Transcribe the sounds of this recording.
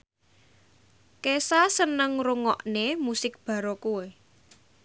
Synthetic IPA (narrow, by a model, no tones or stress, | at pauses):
kesasənəŋruŋɔ̰ʔnemusɪk̚b̥ä̤ɾokue